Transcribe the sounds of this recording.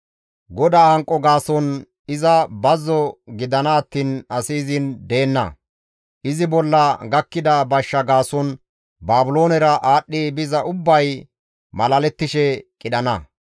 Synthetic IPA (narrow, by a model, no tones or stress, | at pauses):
ɡɔd̪ɐɐŋkʼːɔɡaːsɔn | ɪzɐbɐzɔɡɪd̪ɐnɐːt̪ːiːnɐsiːzɪnd̪e̞ːnːɐ̰ | ʔɪzɪbɔlːɐɡɐkːɪd̪ɐbɐʃːɐɡaːsɔn | baːbʊlo̞ːnɛɾɐʔaːɗːɪbɪzɐʔʊbːɐj | mɐlɐlɛt̪ːɪʃɛkʼɪɗɐnɐ̰